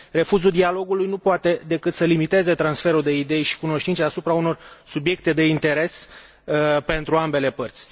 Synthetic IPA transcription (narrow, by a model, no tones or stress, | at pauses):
re̞fuzud̪ialo̞ɡulujnupoat̪e̞d̪e̞kɨt̪səlimit̪e̞ze̞t̪ɾansfe̞ɾud̪e̞id̪e̞jʃi̥kuno̞ʃt̪intseasupɾauno̞rsubje̞k̚t̪e̞d̪e̞int̪e̞ɾe̞s | pe̞nt̪ɾuambe̞le̞pərt̪sʲ